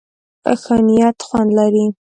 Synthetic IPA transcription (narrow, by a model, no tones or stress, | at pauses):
a̰xanijat̪xwand̪laɾi